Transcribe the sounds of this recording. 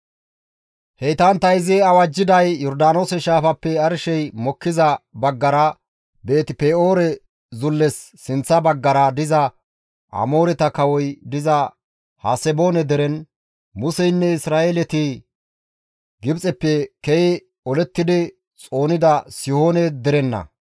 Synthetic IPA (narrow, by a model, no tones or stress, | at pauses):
hɛjt̪ɐnt̪ɐjzɛɐwɐd͡ʒːɪd̪ɐjjɔɾd̪aːno̞ːsɛʃaːfɐpːɛɐɾʃɛjmɔkːɪzɐbɐɡːɐɾɐ | be̞ːt̪ɪpeːoːɾɛ | zʊlːɛsːɪnt͡sːɐbɐɡːɐɾɐd̪ɪzɐ | ʔɐ̰mo̞ːɾɛt̪ɐkɐwɔjd̪ɪzɐ | ha̰sɛbo̞ːnɛd̪ɛɾɛn | mʊsɛjnːɛɪsɾaːeːlɛt̪ɪ | ɡɪbt͡sʼɛpːɛkɛjɪ | ɔlɛt̪ːɪd̪ɪ | t͡sʼo̞ːnɪd̪ɐsɪho̞ːnɛd̪ɛɾɛnːɐ̰